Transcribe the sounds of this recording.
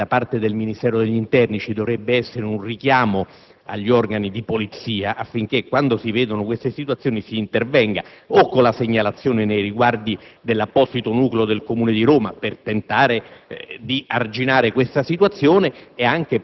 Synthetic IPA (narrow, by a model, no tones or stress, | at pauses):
d̪apart̪ed̪elminist̪ɛːɾod̪eʎːint̪ɛrnit͡ʃid̪ovɾɛbːeɛsːeɾeunrik̟jaːmo | a̰ʎːiɔrɡanid̪ipolit̪siːaʔafːiŋk̟ekːwand̪osivɛːd̪onokwest̪esit̪wat̪sːjoːnisiːnt̪ervɛŋɡa̰okːolaseɲːalat̪sːjoːnenejɾiɡward̪id̪elːapːɔsit̪onuːkleod̪elkomuːned̪iɾoːmapert̪ent̪aːɾed̪iard͡ʒinaːɾekwest̪asit̪wat̪sːjoːneːaŋk̟e